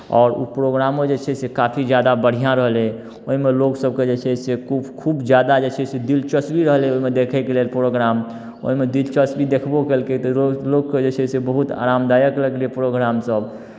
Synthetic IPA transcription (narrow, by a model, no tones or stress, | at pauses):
ɔ̰ːɾṵpɾoɡɾamod͡ʒet͡ʃʰɛsekapʰid͡ʒjad̪abəɽ̤ijãɾəɦle | oɦimeloksəb̚ked͡ʒet͡ʃʰɛsekukʰubd͡ʒjad̪ad͡ʒet͡ʃʰɛsed̪ilt͡ʃəsbiɾəɦleoɦimed̪ekʰɛkelelpɾoɡɾam | o̰ɦimed̪ilt͡ʃəsbid̪ekʰbokelket̪ɔlokːed͡ʒet͡ʃʰɛsebəɦut̪a̰ɾamd̪ajəkləɡlepɾoɡɾamsəb